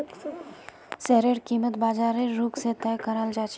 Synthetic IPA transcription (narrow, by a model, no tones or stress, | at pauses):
sɛːɾeɽkiːmət̪baːd͡ʒaːɾeɾuːkset̪ɛjkəɾaːld͡ʒaːt͡ʃ